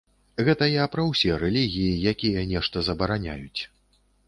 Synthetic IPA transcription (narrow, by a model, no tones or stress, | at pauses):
ɣɛt̪ɐjapɾɐwsʲɛɾɛlʲiɣʲijijakʲijɐnʲɛʂt̪ɐzɐbɐɾanʲa̰jut͡sʲ